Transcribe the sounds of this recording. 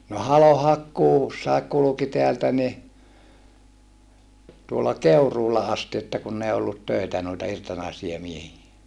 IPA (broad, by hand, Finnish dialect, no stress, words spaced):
no hɑlohɑkːuːsːɑek kuluki teæltæ ni tuolːɑ keuruːlɑ ɑsti etːæ kunː ei olːut tøitæ nuitɑ irtonɑisiɑ miehie